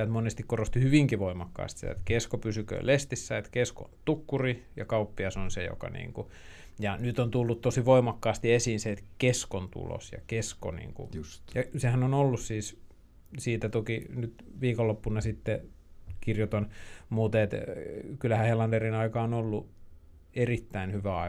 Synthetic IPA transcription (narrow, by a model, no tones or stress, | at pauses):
et̪monest̪ikkorost̪ihyʋiŋkiʋoimɑkːɑ̰ːst̪sit̪æ̰ḛt̪keskopysykø̰lest̪isːæet̪kesko̰nt̪ukːurijɑkɑupːiɑsonsḛjo̰kɑ̰nḭːŋku | jɑnyt̪ont̪ulːut̪t̪osiʋoimɑkːɑːst̪iesiːnseet̪keskont̪ṵlo̰sjɑ̰kesko̰nḭːŋkṵjɑsehænonolːussiːs | siːt̪æt̪okinyt̪ʋiːkolːopːunɑsit̪ːe | kirjot̪ɑnmuːt̪eet̪kylːæhæhelɑnderinɑikɑːonolːu | erit̪ːæinhyʋæɑi